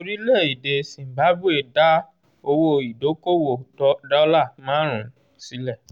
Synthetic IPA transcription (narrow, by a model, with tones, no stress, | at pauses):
o˧ɾi˦le˦˨i˨de˨sĩ˨m̩˨ba˨˦bu˦e˨da˦ | o˧wo˧i˨do˨˦ko˦˨wo˦˨dɔ˦da˦la˦˨mãː˦ɾ̃ũ˨˦ | si˨˦lɛ˦˨